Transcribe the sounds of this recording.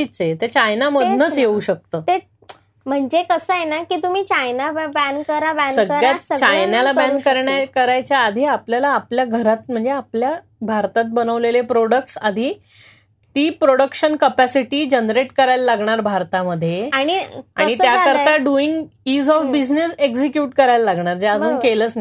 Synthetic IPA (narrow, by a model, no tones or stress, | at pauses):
it͡set̪et͡ɕajnaməd̪ʱnət͡sjeuːɕək̚t̪əːt̪e | m̤əɳd͡zekəsəjenakiːt̪um̤iːt͡ɕajnabænəɾabæ̃nsəəɭjasət͡ɕajnalabæ̃nːəɾɳjakəɾajt͡ɕjaːd̪ʱiapljalaːpljaɡʱəɾat̪̚m̤əɳd͡zeaplja | bʱaɾt̪at̪̚bənəʋlelepɾoɽək̚ʈsad̪ʱiː | t̪iːpɾoɽəkʂənkəpæsiʈiːd͡ʑənɾeʈkəɾajllaɡɳaɾbʱaɾt̪aməd̪ʱːjeaɽ̃iaɽ̃it̪jakəɾt̪aɖuiŋɡiːd͡zɔfbid͡ʑneseksikjuːʈkəɾajllaɡɳaɾd͡ʑead̪ʱũːnkelət͡s